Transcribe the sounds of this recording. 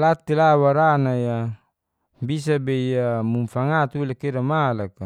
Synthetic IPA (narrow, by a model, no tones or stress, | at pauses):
lat̪ilawaɾanaja | bis̬abeiamumfaŋat̪uilakeɾamalaka